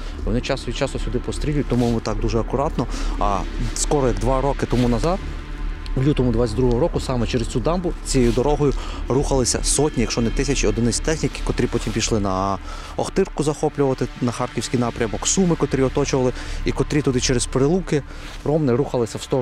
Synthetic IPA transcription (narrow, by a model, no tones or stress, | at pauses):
ʋɔ̰nɪt͡ʃɑsɔʋʲit͡ʃɑst̪ɔsʲʊd̪ɪpɔst̪ɾʲilʲujʊt̚ʲt̪ɔmujɔmut̪ɑk̚d̪uʒɛɐkʊɾɑt̪nɔɐ̰skɔɾɔjɐɡd̪ʋɑɾɔkɪt̪ɔmunɐzɑd̪ | wlʲut̪ɔmʊd̪ʋɑt͡sʲɐtd̪ɾuɦɔɦɔɾɔkʊsɑmɛt͡ʃɛɾɪst͡sʲud̪ɑmbʊt͡sʲijejʊd̪ɔɾɔɦɔjʊruxɐlˠɪsʲɐ̰sɔtʲnʲijɐkʃɔnɛt̪ɪsʲɐt͡ʃiɔd̪ɪnɪsʲt̪ɛxnʲikkɔt̪ɾʲipɔtʲimpʲiʃlˠɪnɐ | ɔxt̪ɪrkʊzɐxɔplʲʊʋɐt̪ɪnɐxɑrkʲiwsʲkʲijnɑpɾʲɐmɔksumɪkɔt̪ɾʲiɔt̪ɔt͡ʃʊʋɐlˠɪikɔt̪ɾʲit̪ʊd̪ɪt͡ʃɛɾespɾɪlˠukɪ | rɔmnɪɾuxɐlˠɪsʲɐwst̪ɔ